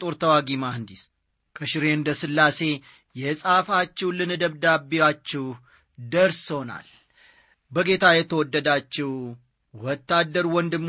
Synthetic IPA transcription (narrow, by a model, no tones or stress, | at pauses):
t̪ʼoɾt̪ʰəwaɡimahɨnd̪is | kʰəʃɪɾend̪əsɨlːase̞ | jɛsʼafat͡ʃːɛwlɨnɨd̪əβd̪abːiwat͡ʃːɪw | d̪əɾsona̰l | bəɡe̞t̪ʰajɛt̪ʰəwɔd̪ːəd̪at͡ʃːɪw | wɔt̪ːad̪ːəɾwɔnd̪ɨm